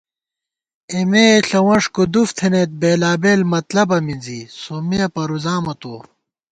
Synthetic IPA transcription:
emeːɬɐwɐ̃ʂkod̪uft̪ʰenet̪̚beːlaːbeːlmɐt̪lɐbɐmind͡zisomeɐpɐɾuzaːmɐt̪oː

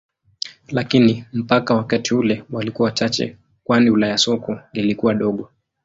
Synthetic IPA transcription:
lakinim̩pakawakatiulɛwalikuawat͡ʃat͡ʃɛ̰ | kwaniulaajasɔkɔlilikuwaɗɔɠɔ

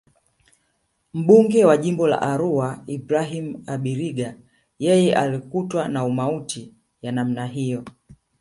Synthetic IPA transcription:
m̩ɓuŋɡɛwaʄimbɔla̰ʔaɾuaibɾaɦimaɓiɾiɡa | jɛjɛʔalikutwanaumautʰi | janam̩naɦijɔ

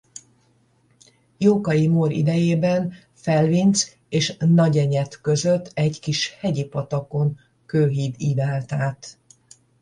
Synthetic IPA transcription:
joːkɒjimoːɾḭd̪ɛjeːbɛn | fɛlvint̪s | eːʃnɒɟɛɲɛt̪kø̞zøt̪ʰːɛɟkiʃhɛɟipɒt̪ɒko̞ŋ | køːɦiːd̪iːd̪aːlt̪aːt̪

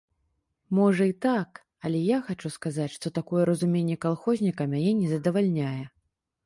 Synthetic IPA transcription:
mɔʐɐit̪ak | ɐlʲɛjaxat͡ʂuskazat͡sʲʂt̪ɔt̪akɔjɛɾɐzumʲenʲːɛkalˠxɔzʲnʲikɐmʲanʲɛnʲɛzɐd̪ɐvalʲnʲajɛ

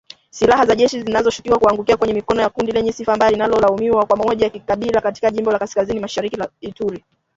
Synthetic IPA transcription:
silahazaʄɛʃizinazɔʃu̥kiwakuaŋɡukiakwɛɲɛmikɔnɔjakundilɛɲɛsifambajalinalɔlaumiwakwamaɔʄajakikaɓilakati̥kaʄimbɔlakaskazinimaʃaɾikilaituɾi

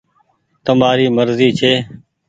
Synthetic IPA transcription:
t̪əmaːɾiːməɾziːt͡ʃʰeː

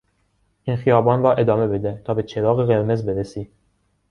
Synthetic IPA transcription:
inxijɑːbɑːnɾɒːʔed̪ɒːmebed̪ɛt̪ʰɒːbet͡ʃʰeɾɑːɣeɣeɾmezbeɾesi

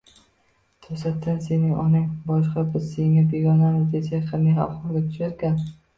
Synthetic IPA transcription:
t̪ʰɵsat̪ːanse̞nɪŋʔɒnɪŋbɒʃqɑbɪz̥seŋabe̞ɡʲɒnamɪzd̪esaqʰɨɾnɪha̰fχɒlˠɡ̪ʲat̪ʰʊ̥ʃaɾɡʲan

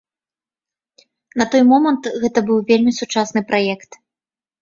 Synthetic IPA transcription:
nɐt̪ɔjmɔmɐnt̪ɣɛt̪ɐbɨwvʲelʲmʲisut͡ʂasnɨpɾʔajɛkt̪

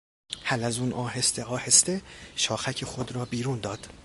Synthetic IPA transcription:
hælæzuːnʔɒːɦest̪eɒːhe̞st̪e̞ʃɒːxæcʰexod̪ɾɒːbiːɾuːnd̪ɒːd̪̥

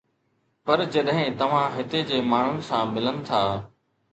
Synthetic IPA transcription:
pɐɾd͡ʑɐɗɦɪ̃t̪ɐʋ̤ãːɦɪt̪ed͡ʑeːmaːɳ̤ʊnɪ̆sãːmɪlənɪ̆t̪ʰaː

